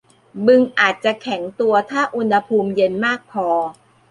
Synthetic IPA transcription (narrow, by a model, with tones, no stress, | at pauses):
bɯ˧ŋʔaː˨˩t̪̚t͡ɕa˨˩kʰɛ˩˦ŋt̪u˧ɐt̪ʰaː˥˩ʔu˧nha˧pʰuː˧mje˧nmaː˥˩k̚pʰɔː˧